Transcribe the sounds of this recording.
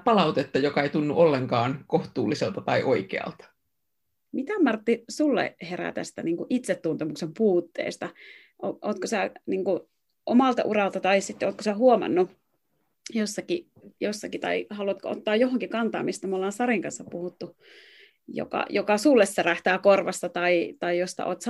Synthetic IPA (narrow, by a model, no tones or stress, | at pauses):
pɑlɑut̪et̪ːɑjokɑeit̪unːuʔolːeŋkɑːnkoht̪uːlːiselt̪ɑt̪ɑiʔoikḛɑ̰lt̪ɑ̥ | mit̪æmɑrt̪ːisulːḛheræ̰t̪æ̰st̪æ̰niːŋkuʔit̪set̪ːunt̪emuksempuːt̪ːḛːst̪ɑ | ʔoʔoːt̪kosæniːŋku | ʔomɑlt̪ɑ̰ʔurɑlt̪ɑt̪ɑisit̪ːoːt̪̚kosæhuomɑ̰nːu | josːɑki | josːɑkit̪ɑ̰ihɑluɑt̪koo̰t̪ːɑːjjohoŋkikɑnt̪ɑ̰ːmist̪æmolːɑːnsɑriŋkɑnsːɑppuhut̪ːu | jo̰kɑ̰jokɑsulːesːɑræht̪æːkorʋɑst̪ɑt̪ɑit̪ɑijost̪ɑ̰ʔoːt̪sɑ